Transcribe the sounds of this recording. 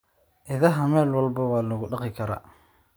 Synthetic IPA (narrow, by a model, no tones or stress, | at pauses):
ʔɪðɐɦɐmɛːlwɐlbɐwɑːlɐɣʊɖɑqɪkʰɐɾa̰ː